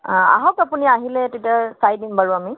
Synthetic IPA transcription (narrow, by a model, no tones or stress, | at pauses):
a̰ɦɔkapuniaɦilɛtetiaɹsajdinbaɹuami